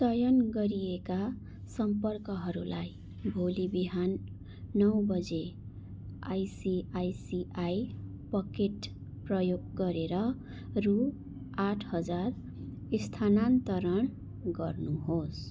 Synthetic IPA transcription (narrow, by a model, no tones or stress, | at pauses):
sʌjʌnɡʌɾieka | sʌmpʌrkʌɦʌɾulaj | bʱolibiɦanː | ʌwbʌd͡ze | a̰jsiajsiʔaj | pʌkeʈ | prʌjoɡɡʌɾeɾʌ | ru | aʈʰhʌd͡zar | ist̪ʰanant̪ʌɾʌɳ | ɡʌrnuɦos